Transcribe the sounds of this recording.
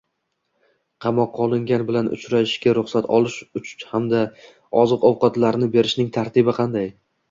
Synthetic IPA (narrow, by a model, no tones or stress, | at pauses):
qʰɑmɒqʰːɒlˠɪŋɡʲanbɪlanʔʊ̰t͡ʃɾaɪʃkʲaɾʊχsat̪ʰɒlˠɪʃʊt͡ʃʰhamd̪a | ɒzɨqɒwqɒt̪laɾnɪbe̞ɾɪʃnɪŋt̪ʰaɾt̪ʰɪbɪqʰɑnd̪aj